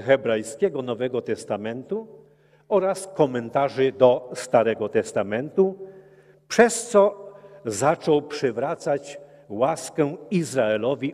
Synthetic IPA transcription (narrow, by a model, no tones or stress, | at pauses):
xɛbɾajskʲɛɡɔnɔvɛɡɔt̪ɛst̪amɛnt̪u | ɔɾaskɔmɛnt̪aʐɘd̪ɔst̪aɾɛɡɔt̪ɛst̪amɛnt̪u | pʂɛst̪sɔzat͡ʂɔwpʂɛvɾat̪sat͡ɕ | waskɛizɾaɛlɔvʲi